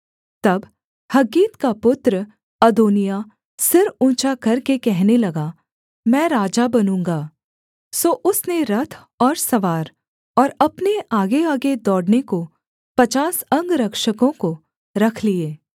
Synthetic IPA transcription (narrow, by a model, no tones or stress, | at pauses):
t̪ɐb | hɐɡiːt̪kapʊt̪ɾə | ɐd̪oːnija | sɪɾũːt͡ʃakɐɾkekɛɦnelɐɡa | mɛ̃ːɾaːd͡ʒabɐnũːŋɡaː | soːʔʊsneɾɐt̪ʰ | ɔːɾsɐʋaːɾ | ɔːɾɐpneaːɡeaːɡed̪ɔːɽneko | pɐt͡ʃaːsɐ̃ŋɡɾɐkʃəkõko | ɾɐkʰlieː